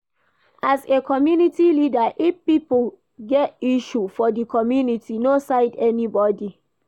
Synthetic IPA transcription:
ʔazekʰɔmjunitilidaʔifpipl | ɡɛtiʃufɔdikʰɔmjunitʰinosaɪdɛnibɔdi

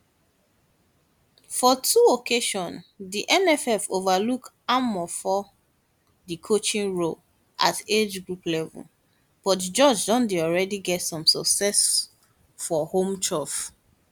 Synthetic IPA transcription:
fɔtʰuokʰeʃɔ̃ndiʔɛnɛfɛfovaluk | amɔfɔ | dikʰot͡ʃĩŋɹo | ʔa̰ted͡ʒɡɹuplɛvɔ̰l | b̥ɔtd͡ʒɔd͡ʒdɔ̃ndiɔlɹɛdiɡɛtsɔ̃msɔksɛs | fɔhõmt͡ʃʰɔf

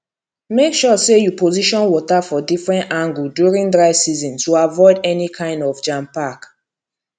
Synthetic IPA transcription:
mekʃɔsejupoziʃɔ̃nwɔtafɔdifɹɛ̃ntãŋɡuldjuɹĩŋdɹaɪvsizɔ̃nstuavɔɪdɛnikʰãɪ̃ndɔvd͡ʒãmpak

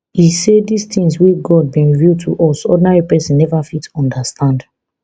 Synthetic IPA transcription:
hisedist̪ĩŋswiɡɔd̚bĩnɹivjutʰṵʔɔsɔ̰dɪnaɹipɛsĩnnɛvafitɔ̃ndastʰãnd

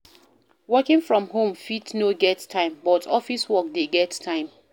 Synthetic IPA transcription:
wɜkɪ̃ŋfɹɔ̃mɦõmfitnoɡɛttʰːãɪ̃mbɔtʰɔfiswɔk̚deɡɛttʰːãɪ̃m

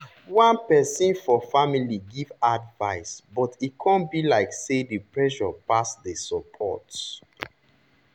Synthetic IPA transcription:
wãnpɛsĩnfɔfamiliɡivadvaɪsbɔtikʰãnbilaɪksedəpɹɛʃɔpasdəsɔpʰɔ̰t

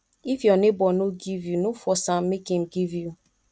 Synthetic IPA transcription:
ivjɔnebɔnoɡivjunʊfɔsam̩mekem̩ɡivju

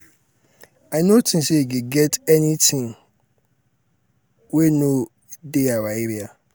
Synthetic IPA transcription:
aɪnotʰɪ̃nseɡeɡɛtɛnĩtʰɪ̃ŋ | weno | deawaeɾia

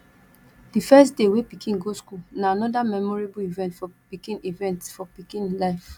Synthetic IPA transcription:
d̥ifɛstdewepikʰĩnɡoskulnaanɔdamɛmɔɹebuivɛ̃ntfɔpikĩnivɛ̃ntsfɔpikĩnlaɪf

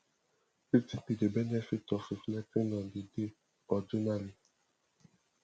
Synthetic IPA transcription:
itipidebɛnɛfitɔfiflɛtinɔ̃dide | ɔd͡ʒunali

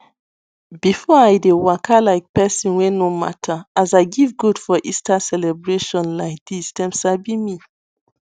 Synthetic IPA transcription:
bifɔajdewakʰalaɪk̚pɛsĩnwenoma̰tʰaazaɪɡivɡudfɔʔistasɛlɛbɹeʃɔ̃nlaɪk̚d̥istɛ̃msabimi

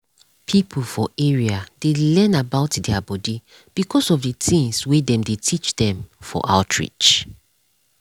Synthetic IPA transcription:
pʰipʰl̩fɔeɹiadelɛ̃nabaʊtdɛabɔdi | b̥ikʰɔsɔvdətʰĩŋswedɛ̃mdetʰit͡ʃdɛ̃mfɔ̰ʔa̰ltʰɹḭt͡ʃ

